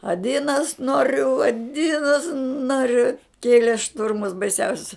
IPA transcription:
ɐˈdʲɪnɐs ˈnoːrʲʊ ɐˈdʲɪnɐs ˈnoːrʲʊ ˈkʲeːlʲeː ˈʃtʊrmʊs bɐɪˈsʲɛʊsʲʊs

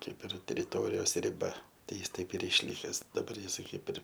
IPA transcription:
ˈkɐɪp ɪr tʲɛrʲɪˈtoːrʲɪjoːs rʲɪˈbɐ ˈtɐɪ ˈjɪs ˈtɐɪp ɪr ɪʃʲˈlʲɪkʲɛs dɐˈbɐr ˈjɪsɐɪ ˈkɐɪp ɪr

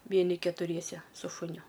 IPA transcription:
ˈʋʲiɛnʲɪ kʲɛtʊˈrʲiɛsʲɛ sʊ ʃʊˈnʲʊ

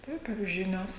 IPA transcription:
ˈtɐɪp ɪr ˈʒʲɪnʲoːs

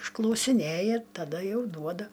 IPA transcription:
ɪʃklˠɐʊsʲɪˈnʲeːjɛ tɐˈdɐ ˈjɛʊ ˈduɔdɐ

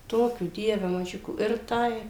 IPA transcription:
ˈtoːkʲuː ˈdʲiɛʋʲɛ mɐˈʒʲʊkuː ɪr ˈtɐɪ

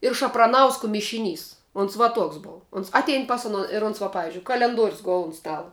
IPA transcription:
ɪr ʃɐprɐˈnɐʊskoː mʲɪʃʲɪˈnʲiːs ʊns ʋɐ ˈtuɔks ˈboːw ˈʊns ˈɑːtʲɛɪn ˈpɐs ʊˌnoː ɪr ˈʊns ʋɐ pɐˈʋʲɪzʲd͡ʒʲʊɪ kɐlʲɛnˈduɔrʲʊs ˈɡʊlˠ ʊn ˈstɑːlˠɐ

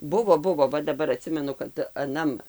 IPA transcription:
ˈbʊʋoː ˈbʊʋoː ˈʋɐ dɐˈbɐr ɐˈtʲsʲɪmʲɛnʊ kɐt ɐˈnɐm

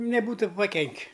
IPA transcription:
nʲɛˈbuːtʊ pɐˈkʲɛŋʲkʲɪ

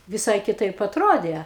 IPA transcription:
ʋʲɪˈsɐɪ kʲɪˈtɐɪp ɐtˈroːdʲeː

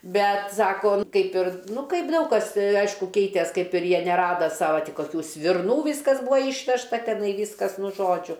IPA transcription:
ˈbʲɛt ˈsɑːkoː ˈkɐɪp ɪr ˈnʊ ˈkɐɪp ˈdɐʊk kɐs ˈɐɪʃkʊ ˈkʲɛɪtʲeːs ˈkɐɪp ɪr ˈjiɛ nʲɛˈrɑːdɐ sɐʋɐ ˈtʲiː koːˈkʲuː sʲʋʲɪrˈnuː ˈʋʲiːskɐs ˈbuɔ ˈiːʃʲʋʲɛʃtɐ tʲɛˈnɐɪ ˈʋʲiːskɐs ˈnʊ ˈʒoːd͡ʒʲʊ

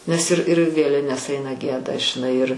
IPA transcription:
nʲɛs ɪr ɪr ˈʋʲeːlʲɪnʲɛs ˈɐɪnɐ ˈɡʲiɛdɐ ʒʲɪˈnɐɪ ɪr

